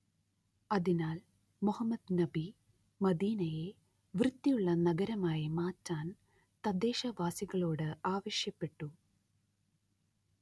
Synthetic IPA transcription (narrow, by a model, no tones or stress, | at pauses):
ɐðinaːl | muhɐmːɐd̪nɐbi | mɐd̪iːnɐje | ʋrɨt̪ːijuɭːɐnɐɡɐɾɐmaːjimaːtːaːn | t̪ɐd̪eːʂɐʋaːsiɣɐɭoːɽɨaːʋɐʂjɐpːe̞ʈːu